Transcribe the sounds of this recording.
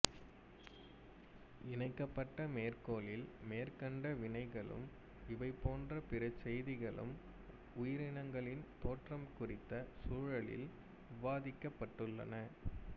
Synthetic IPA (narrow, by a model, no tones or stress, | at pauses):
ɪnɐɪkːɐpːɐʈːɐmeːrkoːlɪlmeːrkɐɳɖɐʋɪɳɐɪɣɐɭɯ̰m | ɪʋɐɪpːoːndrɐpɪɾɐt͡ʃːɛjðɪɣɐɭɯ̰m | ʊjɪɾɪnɐŋɡɐɭɪnt̪oːʈrɐmkʊrɪt̪ːɐsuːɻɐɭɪ̰l | ʊʋaːðɪkːɐpːɐʈːɯɭːɐ̰nɐ